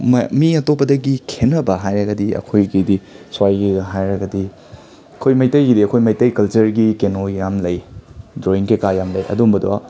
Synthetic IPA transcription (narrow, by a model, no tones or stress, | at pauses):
miɐtopːɐdɐɡikʰenɐbɐɦajɾɐɡɐdiɐ̰kʰojɡidiswajɡiɦajɾɐɡɐdi | ɐkʰojmɐjtɐjɡidiɐkʰojmɐjtɐjkɐlt͡ʃɐɾɡikenojamlɐjdɾoiŋkekajamlɐjɐ̰dumbɐdo̰a̰